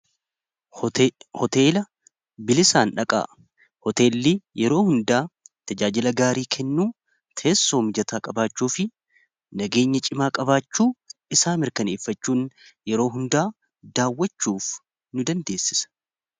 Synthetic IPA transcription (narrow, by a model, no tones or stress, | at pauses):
hɔt̪eːlɐ | bɪlɪsaːnᶑɐkʼa̰ː | hɔt̪e̞ːlːijɛɾo̞ːhʊnd̪aːt̪ɐd͡ʒaːd͡ʒɪlɐɡaːɾiːkʰɛnːuː | t̪ʰe̞ːsːo̞ːmɪd͡ʒɐt̪ʰaːkʼɐbaːt͡ʃːuːfɪ | nɐɡe̞ːɲːɐt͡ʃʼɪmaːkʼɐbaːt͡ʃːuːɪsaːmɪɾkɐneːfːɐt͡ʃːuːnjɛɾo̞ːɦʊnd̪aː | d̪aːwːɐt͡ʃːuːf | nʊd̪ɐnd̪e̞ːsːɪ̥sɐ̥